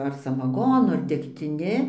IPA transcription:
ɐr sɐmɐˈɡoːnʊ ɐr dʲɛktʲɪˈnʲɪ

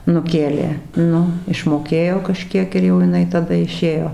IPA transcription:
nʊˈkʲeːlʲeː ˈnʊ ɪʃmoːˈkʲeːjoː kɐˈʃʲkʲiɛk ɪr jɛʊ jɪˈnɐɪ tɐˈdɐ ɪˈʃʲeːjoː

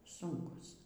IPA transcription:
ˈsʊŋkʊs

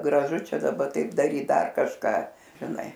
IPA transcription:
ɡrɐˈʒʊ ˈt͡ʃʲɛ dɐˈbɐ ˈtɐɪp dɐˈrʲiːt ˈdɐr kɐʃˈkɑː ʒʲɪˈnɐɪ

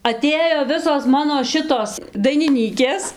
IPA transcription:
ɐˈtʲeːjoː ˈʋʲɪsoːs ˈmɑːnoː ˈʃʲɪtoːs dɐɪnʲɪˈnʲiːkʲeːs

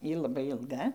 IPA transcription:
ˈjiː lˠɐˈbɐɪ ɪlˠˈɡɐ

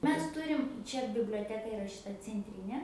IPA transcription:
ˈmʲɛs ˈtʊrʲɪm ˈt͡ʃʲɛ bʲɪbʲlʲoːˈtʲæːkɐ ɪˈrɐ ʃʲɪˈtɐ t͡sʲɛnʲˈtʲrʲiːnʲeː

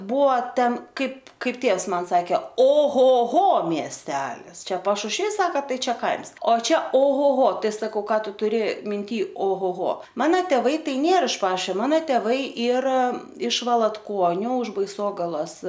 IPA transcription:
ˈbuɔ ˈtʲɛn ˈkɐɪp ˈkɐɪp ˈtʲeːws ˈmɐn ˈsɑːkʲɛ oː ˈɣoː ˈɣoː mʲiɛsʲˈtʲæːlʲɪs ˈt͡ʃʲɛ pɐʃʊʃʲˈʋʲiːs ˈsɑːkɐ ˈtɐɪ ˈt͡ʃʲɛ ˈkɐɪms oː ˈt͡ʃʲɛ oː ˈɣoː ˈɣoː ˈtɐɪ sɐˈkɐʊ ˈkɑː ˈtʊ tʊˈrʲɪ mʲɪnʲˈtʲiː oː ˈɣoː ˈɣoː ˈmɑːnɐ tʲeːˈʋɐɪ ˈtɐɪ ˈnʲeːr ɪʃ ˈpɑːʃʲoː ˈmɑːnɐ tʲeːˈʋɐɪ ˈiːrɐ ɪʃ ʋɐlˠɐtˈkuɔnʲʊ ʊʃ bɐɪˈsoːɡɐlˠoːs

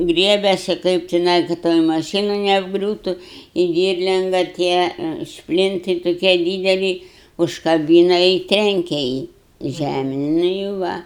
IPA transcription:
ˈɡrʲiɛbʲɛsʲɪ ˈkɐɪp tʲɪˈnɐɪ kɐ ˈtoːj mɐˈʃʲiːnʊ nʲɛɐbˈɡrʲuːtʊ ɪ ˈdʲiːrʲlʲɪŋɡɐ ˈtʲiɛ ˈʃʲpʲlʲɪntɨɪ toːˈkʲiɛ ˈdʲiːdʲɛlʲɪ ʊʃkɐˈbʲiːnɐ ɪ ˈtʲrʲɛŋʲkʲɛ ˈjiː ˈʒʲæmʲeːn nʊ ɪ ˈʋɐ

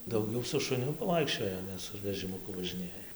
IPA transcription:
dɐʊˈɡʲɛʊ sʊ ʃʊˈnʲʊ pɐˈʋɐɪkʃʲt͡ʃʲoːjɛ ˈnʲɛ sʊ ʋʲɛʒʲɪmʊˈkʊ ʋɐʒʲɪˈnʲeːjɛ

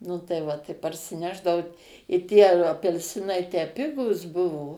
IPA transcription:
nʊ tɐɪ ˈʋɐ ˈtɐɪ pɐrʲsʲɪˈnʲæːʒdɐʋɐʊ ɪ tʲiɛ ɐpʲɛlʲˈsʲɪnɐɪ tʲæː ˈpʲɪɡuːs ˈbʊʋoː

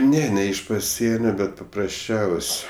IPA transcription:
ˈnʲɛ nʲɛ ɪʃ pɐˈsʲiɛnʲoː ˈbʲɛt pɐprɐsʲˈt͡ʃʲɛʊsʲ

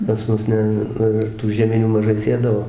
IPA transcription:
pɐs ˈmʊs ˈnʲɛ ˈnʊ ɪr tuː ʒʲiɛˈmʲɪnʲuː mɐˈʒɐɪ ˈsʲeːdɐʋoː

